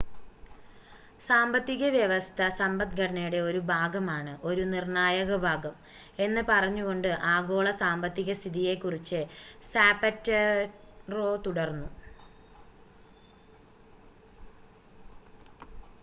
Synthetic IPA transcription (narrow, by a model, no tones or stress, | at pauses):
saːmbɐt̪ːiɣɐʋjɐʋɐst̪ʰɐsɐmbɐt̪ɡɐɽɐɳɐjuɽe̞o̞ɾubʱaːɡɐmaːɳɨʔo̞ɾunirɳaːjɐɣɐbʱaːɡɐm | e̞nːɨpɐrɐɲːuɣo̞ɳɖɨʔaːɡo̞ːɭɐsaːmbɐt̪ːiɣɐst̪ʰiðije̞kːurit͡ɕːɨsaːpɐtːɐ | ro̞ːt̪uɽɐrnːu